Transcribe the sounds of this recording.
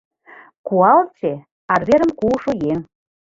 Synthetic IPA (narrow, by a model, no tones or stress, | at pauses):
kuɑlt͡se | ɑrβeɾə̆mkuʃojeŋ